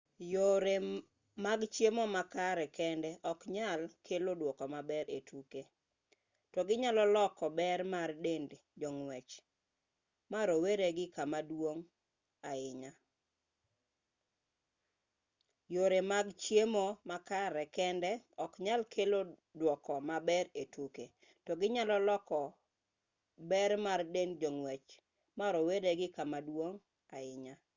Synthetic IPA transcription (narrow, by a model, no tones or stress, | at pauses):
joɾe | maɡt͡ʃjemɔmakaɾɛkɛndɛʔɔkɲalkʰelodwɔkɔmabɛɾetʰuke | tɔɡɪɲalɔlɔkɔbɛrmardend | d͡ʒɔŋwɛt͡ʃ | maɾoweɾeɡɪkamadwoŋ | aɪɲa | joɾemaɡt͡ʃjemɔmakaɾɛkɛndɛɔkɲalkʰelodwɔkɔmabɛɾetwukḛ | tɔɡɪɲalɔlɔkɔ | bɛɾmardendd͡ʒɔŋwɛt͡ʃ | maɾɔweɾeɡɪkamadwoŋ | aɪɲa